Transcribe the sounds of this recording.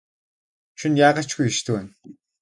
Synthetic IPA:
ʃunjaːɢăt͡ɕɡujeʃt̪ʰɘwæːn

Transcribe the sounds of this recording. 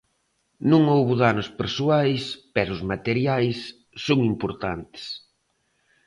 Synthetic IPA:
nũŋowβʊðanʊspeɾsuajspɛɾʊzmat̪eɾjajsː | oŋimpoɾt̪ant̪ɪ̥s

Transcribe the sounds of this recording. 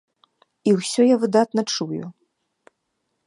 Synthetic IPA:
iwsʲɔjavɨd̪at̪nɐt͡ʂujṵ

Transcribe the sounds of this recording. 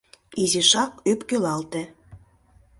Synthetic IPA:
iziʃɑkypkølɑlt̪ĕ

